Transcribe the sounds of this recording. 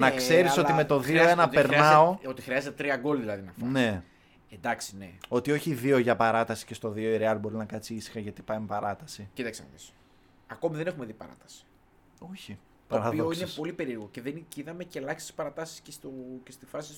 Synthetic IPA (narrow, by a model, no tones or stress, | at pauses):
nɐksse̞ɾiso̞t̪ime̞t̪o̞ðioenɐp̪eɾnɐo̞ot̪ixɾiɐzet̪et̪ɾiɐɡo̞liðilɐðinɐfɐne | end̪ɐksi̥ne̞o̞t̪io̞çiðio̞ʝɐpɐɾɐt̪ɐsi̥cest̪o̞ðio̞iɾeɐlbo̞ɾinɐkɐt͡siisi̥xɐʝɐt̪i̥pɐjmepɐɾɐt̪ɐsicit̪ɐksɐ̰n̰ðis | ɐko̞miðe̞nexumeðipɐ̰ɾɐ̰t̪ɐ̥si̥ | o̞çi | tpɐɾɐðpiooinespo̞lipe̞ɾiɾɣoceðenciðɐmecelɐçist̪e̥spɐɾɐt̪ɐsi̥scest̪ocest̪ifɐsis